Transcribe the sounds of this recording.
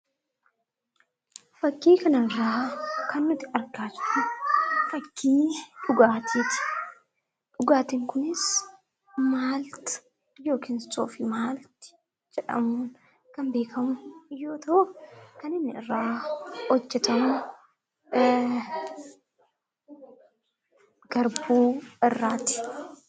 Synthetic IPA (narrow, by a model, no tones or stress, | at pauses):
fɐkːiːkɐnɐrːaːkɐnːʊt̪ːɪɐɾɡaːt͡ʃʊ̥ʔʊfɐkʰːiːᶑʊɡaːt̪ʰiːt̪ɪ̥ | ᶑʊɡaːt̪ɪŋkʊnɪs | maːlt̪ɐ̥ | jo̞ːkɪnsʼo̰ːfɪmaːlt̪ɪ̥ | d͡ʒɛᶑɐ̰muːn | kɐmbe̞ːkʰɐmʊjo̞ːt̪ɐʔʊkɐnɪnːɪɪrːaːhɔd͡ʒːɛt̪ɐmʊ | ɡ̥ɐɾbuːɪrːaːt̪ɪ̥